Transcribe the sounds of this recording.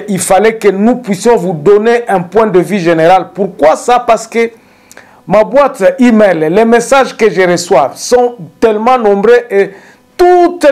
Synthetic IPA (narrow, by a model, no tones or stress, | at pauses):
ʔilfalɛkənupɥisjɔ̃vud̪ɔneʔɛ̃pwɛ̃d̪əvyʒeneʁalpuʁkwasapaʁsə̥kə | mabwat̪imɛlːɛmesaʒkəʒəʁəswavsɔ̃t̪ɛlmɑ̃nɔ̃bʁeʔe | t̪ut̪